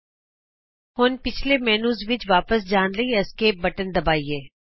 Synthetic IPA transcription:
ɦonpɪt͡ʃʰlemɛːnuːzʋɪt͡ʃʋaːpəsd͡ʒaːnləiɐskeːp̚bɐʈənd̪ɐbaːieː

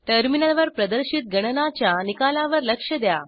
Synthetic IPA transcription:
ʈəɾminəlʋəɾpɾəd̪əɾɕit̪̚ɡʱəɽ̃ənat͡ɕjanikalaʋəɾləkʂəd̪ja

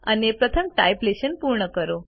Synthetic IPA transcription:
a̰niepɾət̪ʰəmʈajpleɕənpuɾɳəkəɾo

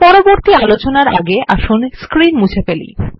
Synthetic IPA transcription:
pɔɾoboɾt̪ialot͡ɕonaɾaɡeʔa̰ʃunskɾinmud͡ʑʰefelḭ

